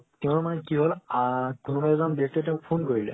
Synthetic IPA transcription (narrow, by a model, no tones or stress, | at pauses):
tɛʊ̃nmanɛkiɦolakunubajɛzanbiɛk̚tɔtɛʊ̃kpʰonkoɹilɛ̰